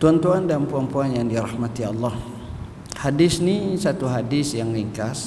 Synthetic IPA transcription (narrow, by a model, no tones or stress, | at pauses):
t̪uant̪uandanpuampuanjaŋdiɾahmat̪ialːɔh | hadɪsnisat̪uɦadɪsjaŋliŋkas